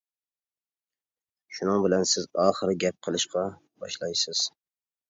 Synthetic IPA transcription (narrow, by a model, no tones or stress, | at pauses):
ʃʊnɨŋbɪlansɪzɒːχɨɾɡʲap̚qʰəlˠɪʃqʰɑ | b̥ɒʃlˠɑjsɪz̥